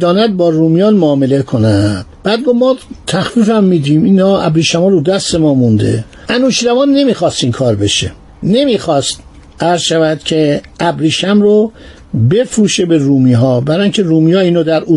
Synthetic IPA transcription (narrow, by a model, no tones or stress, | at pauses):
d̪ɒːnæd̪̚bɒːɾuːmijɒːnmoːmele̞kʰonæd̪̥b̥æːd̪̚ɡovmɒːt̪ʰæxfiːfæmːiːd̪iːmiːnɒːæbɾiːʃæmɔːɾud̪æst̪e̞mɒːmund̪ḛ | ænuːʃɾævɒːnːe̞miːxɒːst̪iːmkʰɒːɾbe̞ʃḛ | ne̞miːxɒːst̪ | æɾzʃævæd̪̥cʰe̞ | æbɾiːʃæmɾo | be̞fɾuːʃebeɾuːmiːɦɒːbæɾɒːjiŋcʰe̞ɾuːmijɒːiːnoːd̪æɾu